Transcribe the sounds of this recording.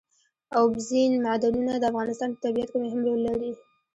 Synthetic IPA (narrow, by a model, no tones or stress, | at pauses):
awbzinmad̪anunad̪əafɣɑnɪst̪ɑnpət̪abijat̪̚kameɦamɾollːaɾi